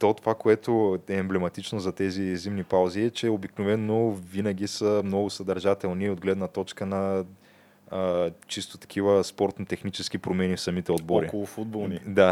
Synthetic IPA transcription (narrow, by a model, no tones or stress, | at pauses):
t̪ot̪ovakoɛt̪oɛːmblɛmɐt̪it͡ʃnozɐt̪ɛzizimnipalˠziɛt͡ʃɛobiknovɛnːovinɐɡ̟ʲisəmnɔɡʊsɐd̪ɐɾʒat̪ɛlˠniod̪ɡlɛd̪nɐt̪ɔt͡ʃkənɐ | t͡ʃist̪o̥t̪ɐ̥kʰivəspɔɾt̪not̪ɛxnit͡ʃɛskipɾomɛnifsɐmit̪ɛod̪̚boɾikolˠʊfud̪̚bolˠnid̪a